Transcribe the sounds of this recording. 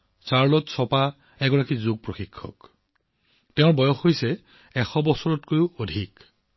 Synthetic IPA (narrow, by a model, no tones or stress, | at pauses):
saɹlɔtsɔpa | ɛɡɔɹakizuɡ̚pɹoxikʰːɔ̰k | tɛʊ̃ɹbɔjɔxojsɛ | ɛxɔbɔsɔɹɔtkojʊodʱik